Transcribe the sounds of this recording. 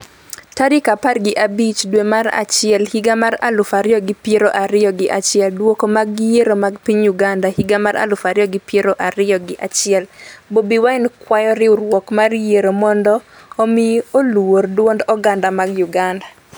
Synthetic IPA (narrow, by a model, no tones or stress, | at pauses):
tadɪkaparɡɪʔabit͡ʃdwemaɾa̰t͡ʃɪɛlhiɡamaɾa̰lʊfaɾɪjɔɡɪpjeɾoʔaɾɪjɔɡɪʔat͡ʃɪɛldwokomaɡɡɪjeɾomaɡpiɲjuɡandahiɡamaɾa̰lʊfaɾɪjɔɡɪpjeɾoʔaɾɪjɔɡɪʔat͡ʃɪɛlbobiwaɪnkwajɔɾɪʊɾwɔkmarjeɾomɔndɔː | mioluordwondɔɡandamaɡjuɡanda